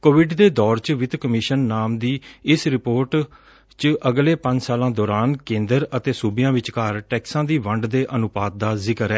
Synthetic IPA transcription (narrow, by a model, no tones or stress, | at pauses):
koːʋɪɖd̪eːd̪ɔːɾt͡ʃʋɪt̪kəmɪʃənːaːmd̪iːɪsɾɪpoːɾʈ | t͡ʃʔəɡleːpə̃ɲd͡ʒsaːlãːd̪ɔːɾaːnkẽːnd̪əɾət̪eːsuːbɪjãːʋɪt͡ʃkəɾʈɛːksãːd̪iːʋəɳɖd̪eːʔənʊpaːt̪̚d̪aːzɪkəɾɛː